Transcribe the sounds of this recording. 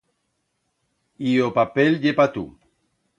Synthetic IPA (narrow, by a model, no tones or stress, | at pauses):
iopapelʎepat̪ṵ